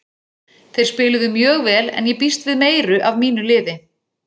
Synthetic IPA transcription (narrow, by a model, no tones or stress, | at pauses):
θejɾ̥spɪːlʏðʏmjœːɣvɛːlɛ̰njɛpist̪vɪðmeːjɾʏʔavmiːnʏlɪːðɪ